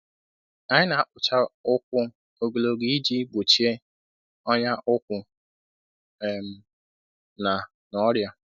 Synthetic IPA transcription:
a˦ɲɪ˦na˨a˦k͡pʊ˨t͡ʃa˦ʊ˦kʷʊ˦ | o˨ɡo˨lo˨ɡi˦i˦d͡ʒi˦ɡ͡bo˨t͡ʃi˦e˦ | ɔ˦ɲa˦ʔʊ˦kʷʊ˨ | m̩˨˦ | na˨ | nɔ˦ɾja˦

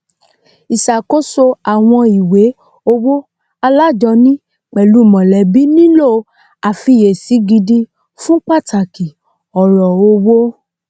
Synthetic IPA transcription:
i˨sa˨ko˦so˧a˨w̃ɔ̃˧i˨we˨˦ | o˧wo˦ | a˧la˦˨d͡ʒɔ˧nĩ˦ | k͡pɛ˨lu˨˦˨mɔ̃˨lɛ˨˦bi˦nĩ˦lo˦˨ | a˨fi˧je˨si˨˦ɡi˧di˧ | fũ˦k͡pa˦˨tʰa˨ki˨ | ɔ˨ɾɔ˨o˧wo˦

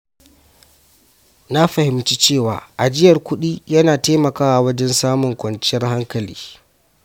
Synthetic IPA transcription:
na˦ɸɐ˨hɪ˨mt͡ʃiː˦t͡ʃeː˦˨wa̰ː˨ʔa˨d͡ʒɪ˦jɐ˨rkʷʊ˦ɗiː˦jɐ˦naː˨teː˦mɐ˨kaː˦wa˨wɐ˦d͡ʒɛ˦nsaː˦mʊ˨ŋkʷɔ˨nt͡ʃɪ˦jɐ˦rha˦ŋkɐ˨lḭː˦

